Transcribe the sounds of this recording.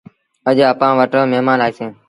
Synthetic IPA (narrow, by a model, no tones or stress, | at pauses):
əd͡ʒaːpãːʋəʈə̃ːmeːmaːnaːisẽː